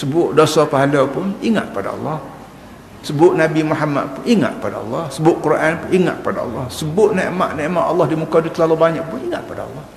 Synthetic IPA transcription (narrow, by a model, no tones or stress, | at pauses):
səbʊʔdosapaɦalapʊniŋa̰ʔ̪̚kə̥pada̰ɑ̰lˤːɑh | səbʊʔnabimuɦama̰t̪̚pʊniŋa̰t̪̚kə̥padaɑ̰lːɑhsəbʊʔkuɾʔanpʊiŋa̰ʔ̪̚kə̥pada̰ɑ̰lːɑhsəbʊʔneʔmaʔneʔmaʔɑlːɑhdimukadut̪əlalobaɲaʔ̚pʊniŋaʔ̪k̚əpadaɑ̰lːɔh